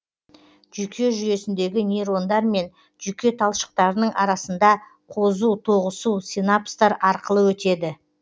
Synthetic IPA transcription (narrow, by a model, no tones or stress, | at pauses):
ʒykʲʰe̞ʒʏje̞sɪnd̪eɡʲɪnʲeɾo̞nd̪ɑɾme̞n | ʒʏkʲe̞t̪ʰɑlˠʃə̥q̚t̪ɑɾənəɴʔɑɾɑsənd̪ɑ | qʰo̞zuwt̪ʰo̞ʁəsuwsʲinapst̪ɑɾɑɾqəlˠəwɵt̪e̞d̪ɪ